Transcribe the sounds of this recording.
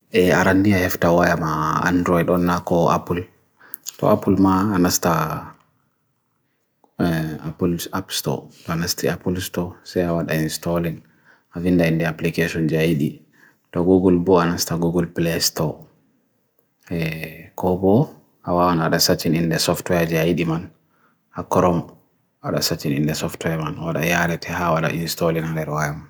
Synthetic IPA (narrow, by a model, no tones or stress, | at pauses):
ɛaɾandiahɛftawajamaa̰ndɾɔiɗɔnːakɔa̰pul | tɔ̰ʔapulmaːnasta | apulapstɔ̰tɔanastiapulstɔsajawaɗainstɔlin | avindaindɛaplikeʃɔnd͡ʒajɗi | tɔɡuɡɔlbɔanastaɡuɡɔlplɛstɔ | ɛkʰɔbɔ | ʔawawanaɗasat͡ʃːinindɛsɔftwɛd͡ʒajɗiman | hakɔɾɔm | aɗa̰sat͡ʃːinindɛsɔftwɛmanwaɗa̰jaɾɛtʰɛhawaɗa̰ʔinstɔlinandɛɾwajaman